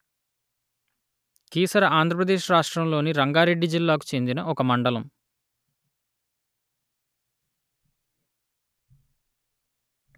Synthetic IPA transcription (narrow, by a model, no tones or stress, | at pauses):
kiːsɐɾɐʔaːnd̪ʱɾɐp̬ɾɐd̪eːʃɾaːʂʈɾɐmlo̞ːniɾɐŋɡaːɾe̞ɖːid͡ʒilːaːk̬u̥t͡ʃe̞nd̪inɐɔkɐmɐɳɖɐlɐm